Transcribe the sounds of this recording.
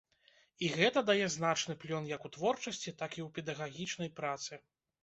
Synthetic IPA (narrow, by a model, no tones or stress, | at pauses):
iɣɛt̪ɐd̪ajɛznat͡ʂnɨplʲɔnjɐkut̪vɔrt͡ʂɐsʲt͡sʲit̪akiwpʲɛd̪ɐɣaɣʲit͡ʂnɐjpɾat̪sɨ